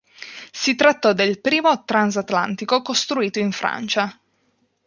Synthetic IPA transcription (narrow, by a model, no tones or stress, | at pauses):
sit̪ɾat̪ːɔd̪elpɾiːmot̪ɾans̬at̪la̰nt̪ikokost̪ɾuiːt̪oiɱfɾa̰nt͡ʃa